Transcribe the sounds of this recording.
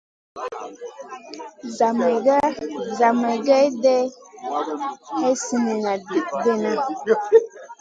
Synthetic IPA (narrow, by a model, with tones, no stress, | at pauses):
za˨m˨ɡa˦za˨ma˨ɡa˦jdɛ˦ | hɛ˦si˨ni˨na˨di˦k̚dɛ˦na˦